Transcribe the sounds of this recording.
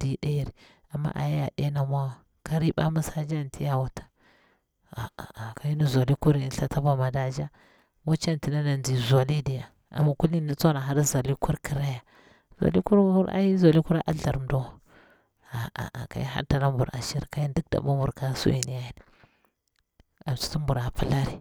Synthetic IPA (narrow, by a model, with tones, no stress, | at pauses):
d̥i˨ɗa˦ji˨ɾi˨ | a˨mːa̰˦ʔa̰˨ja˦ja˨ɗe˦na˨mʷ˦a˦a˨ | ka˦ɾi˦ba̰˦mu˦sa˦d͡ʒa˦˨n˨tʰi˦ja˦wa˨tḁ˨ | a̰˨ka˨i˦ni˦zʷa˨li˦ku˦ɾi˨˦˨ɬa˨ta˦ba˦ma˨da˦d͡ʒa˦ | mo˦t͡ʃa˦n˨ti˨na˦na˨ndi˨za˨li˦di˨ja˨ | a̰˨ma˨ku˦li˦ni˦t͡so˦na˨ɦa˦ɾi˦za˨li˦ku˦ɾki˨ɾa˦ja˨ | zʷa̰˨li˦ku˦ɾu˦ɾa̰˦ji˦za˨li˦ku˦ɾa˦ʔa̰˦ɬa˨ɾm˦do˦˨ | a˨a̰˨a̰˨ka̰˨ji˦ɦa̰˦ta˨la˦mbu˨ɾa̰˨ʃi˦ɾka˦ji˦ndi˦k̚da̰˨ma˦mu˨ɾka˦sṵ˦i˨ni˨ja˦ji˦n˨ | a˨m˨t͡ʃi̥˦ti˦mbu˨ɾa˨pi˦la˦ɾi˨